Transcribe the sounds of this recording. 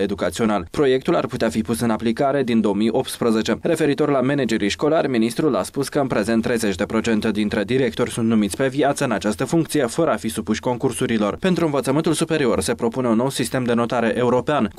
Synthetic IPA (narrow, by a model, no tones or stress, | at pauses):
e̞d̪ukat̪sio̞nalpɾo̞je̞k̚t̪ula̰rput̪eafipusɨnaplikaɾe̞d̪ind̪o̞omijʔo̞p̚t̪spɾəze̞t͡ʃe̞re̞fe̞ɾit̪o̞rlame̞ned͡ʒe̞ɾijʃko̞larʲminist̪ɾula̰spuskəɨnpɾe̞ze̞nt̪ːɾe̞jze̞t͡ʃd̪e̞pɾo̞t͡ʃe̞nt̪ed̪int̪ɾe̞d̪iɾe̞k̚t̪o̞rʲsunt̪numit̪sʲpe̞viat̪səɨnat͡ʃast̪əfuŋkt̪sije̞fəɾəafisupuʃʲko̞ŋkursuɾilo̞rpe̞nt̪ɾuɨnvət̪səmɨnt̪ulsupe̞ɾio̞rse̞pɾo̞pune̞unːo̞wsist̪e̞md̪e̞no̞t̪aɾe̞ʔe̞uɾo̞pean